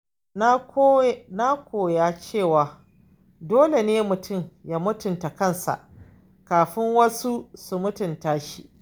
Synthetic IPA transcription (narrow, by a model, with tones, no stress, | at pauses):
na˦kʷoː˨jaː˦t͡ʃeː˦˨waː˨ | doː˦le˨neː˦mʊ˨tʊ˦˨mja˦mʊ˦tʊ˨nta˨kɐ˦nsa̰˨ʔ | kaː˨ɸɪ˦ŋwɐ˦su˦su˨mʊ˦tʊ˨ntaː˦ʃi˦ʔ